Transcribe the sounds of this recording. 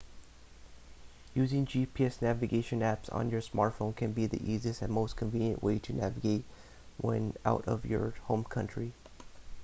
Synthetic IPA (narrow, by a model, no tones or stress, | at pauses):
jʉzɪ̃ŋd͡ʒipʰiɛsnævɨɡeɪʃɨ̃næpsn̩jə˞smɑɹtfõʊ̃nkʰɨ̃nbiðḭʔiziɨstɨ̃nmoʊskʰɨ̃ɱvĩnjɨ̰̃nʔweɪɾɨnævɨɡeɪt̚ | wɛ̰̃na̰ʊɾʌ̰vjə̰˞hõʊ̃mkʰʌ̃nt͡ʃɹ̥i